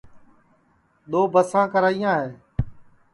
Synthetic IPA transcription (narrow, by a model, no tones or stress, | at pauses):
ɗ̪oːbəsãːkəɾaːijãːɦeː